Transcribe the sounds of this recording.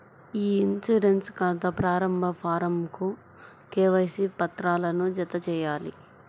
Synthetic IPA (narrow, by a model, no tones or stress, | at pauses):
iːinsuɾenskaːnt̪ɐpɾaːɾɐmbʱɐpʰaːɾɐmku | kɛːʋɐjsipɐt̪ɾaːlɐnud͡ʒɐt̪ɐt͡ʃɛːjaːlḭ